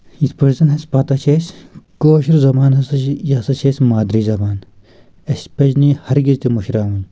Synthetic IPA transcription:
it̪ʰpɐɾzɐnɦɐspɐt̪ɐt͡ʃʰeːskoːʃiɾzɐmaːnɦɐsɐjaːsɐt͡ʃʰeːsʲmaːd̪ɾiːzɐbaːn | ɐspɐd͡ʑnihɐɾɡizt̪imuʃɾaːwɐn

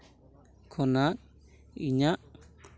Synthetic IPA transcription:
kʰɔnak̚ | iɲaʔ

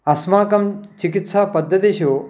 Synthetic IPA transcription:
ɐsmaːkɐmt͡ʃikit̪saːpɐd̪ʱːɐt̪iʃoː

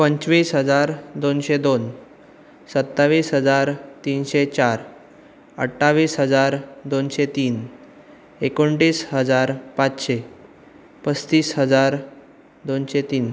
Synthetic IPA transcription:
pəɲt͡ɕʋiːsɦəd͡zaɾd̪onɕed̪on | sət̪ːaʋiːsɦəd͡zaɾt̪iːnɕet͡ɕaɾ | ə̰ʈʰːaʋiːsɦəd͡zaɾd̪onɕet̪iːn | ekoɳʈiːsɦəd͡zaɾpãt͡sɕe | pəst̪iːsɦəd͡zaɾ | d̪onɕet̪iːn

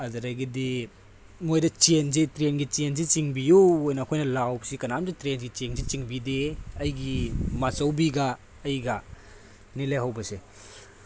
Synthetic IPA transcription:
ɐzɐɾajɡidi | mojdɐt͡ʃenzitɾenɡit͡ʃenzit͡ʃiŋbijuojnɐːkʰojnɐlawsikɐnamzitɾenɡit͡ʃenzit͡ʃiŋbideɐjɡimasɐwbiɡɐː | jɡɐ | nileɦɐwbɐse

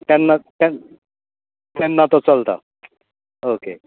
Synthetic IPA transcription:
t̪ɛnːat̪ɛ | t̪ɛnːat̪ɔt͡sɔlt̪a̰ | oke

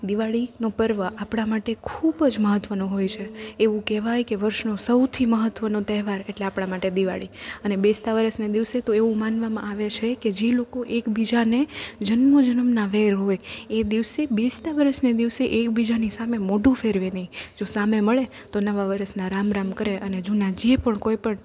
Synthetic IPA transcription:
d̪iʋaɭinopəɾʋəapɽ̃amaʈekʰubəd͡ʒməɦət̪ːʋənũɦojt͡ʃʰeːʋũkɛɦʋajkeʋəɾʃnosəwt̪ʰiməɦət̪ʋənot̪ɛɦʋaɾeʈleapɽ̃amaʈed̪iʋa̰ɭiənebest̪aʋəɾəsned̪iʋset̪oeʋũmanʋamã̰aʋet͡ʃʰeked͡ʒelokoʔekbid͡ʒaned͡ʒənmod͡ʒənəmnaʋeɾɦojed̪iʋsebest̪aʋəɾəsned̪iʋseʔekbid͡ʒanisamemoʈũfʰeɾʋenəɦĩd͡ʒosameməɭe | t̪onəʋaʋəɾəsnaɾamɾamkəɾeʔəned͡ʒunad͡ʒepəɳkojpəɳ

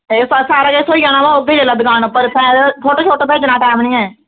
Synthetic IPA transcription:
essaːɾaːkesoːiːaːnãːʋaːob̪iːd͡ʒelaːd̪ɪɡaːnpəɾpʰɛ̃ːt͡ʃʰoːʈoːt͡ʃʰoːʈobʱeːd͡ʒnaːʈɛːmnĩːɛ̃ː

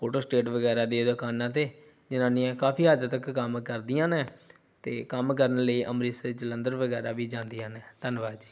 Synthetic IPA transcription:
pʰoːʈoːsʈeːʈʋəɡɛːɾaːd̪eːd̪ʊkaːnãːt̪eː | d͡ʒɪnãːnĩːɛ̃ːkaːpʰiːɦaːd͡ʒ̪ət̪əkːəmkəɾd̪iːãːnɛ̃ː | t̪eːkəmkəɾənləiːʔəmɾiːsed͡ʒələ̃nd̪əɾʋəɡɛːɾaːʋiːd͡ʒãːnd̪ijãːnɛːt̪ənʋaːd͡ʒiː

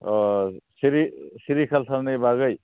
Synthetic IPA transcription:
siɾisiɾikʰalsʰalnejbaɡʌj

